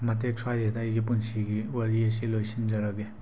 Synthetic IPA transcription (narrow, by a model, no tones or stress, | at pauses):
mɐt̬ek̚swazedajɡip̬unsiɡiwɐɾies̬ilojsind͡ʒɐɾɐɡe